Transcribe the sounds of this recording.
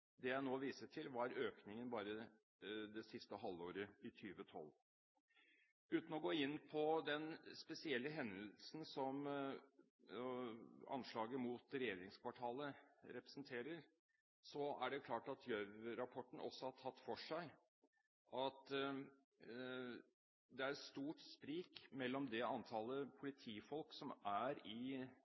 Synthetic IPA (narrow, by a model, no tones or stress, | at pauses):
d̪ɛjæɪnoːʋiːsəʈʰɪlʋɑɾøːknɪŋənbɑːɾə | d̪ɛsɪst̪əɦɑlːoːɾəɪt̪ʰyːʋət̪ʰɔ̰lː | ʉːt̪n̩ɔɡoːɪnːpʰɔd̪ɛnspɛsɪɛlːəɦɛnd̪əlsn̩sɔm | ɑ̰nʂɭɑːɡəmuːt̪ɾɛjeːɾɪŋskʰʋɑʈʰɑːləɾɛpɾɛ̥snt̪ʰeːɾəɾ | sɔæ̰ɖɛkʰlɑːʈɑt̪ʰjœʋɾɑpʰɔʈːɳ̩ʔɔ̰sːɔhɑʈʰɑt̪ːfɔʂæɪ | ʔɑt̪ | d̪ɛæɾɛt̪st̪uːʈspɾiːkmɛlːɔmd̪ɛɑnt̪ʰɑːləpʰʊlɪt̪ʰiːfɔlksɔmæɾɪ